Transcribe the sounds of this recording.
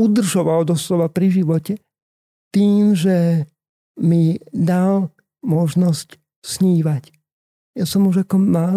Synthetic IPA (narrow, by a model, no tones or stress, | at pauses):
ud̪r̩ʒɔʋald̪ɔslɔʋapɾiʒiʋɔcɛ | t̪iːmʒɛ | mid̪al | mɔʒnɔsc | sɲiːʋac | jasɔmuʒakɔmaː